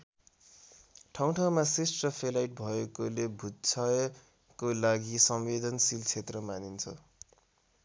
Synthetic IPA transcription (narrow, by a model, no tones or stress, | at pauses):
ʈʰaw̃ʈʰawmasrisʈrʌpʰelajʈ̚bʱʌekolebʱut̪t͡sʰʌj | kolaɡisʌmwed̪ʱʌnsilt͡sʰet̪rʌmanint͡sʰʌ̰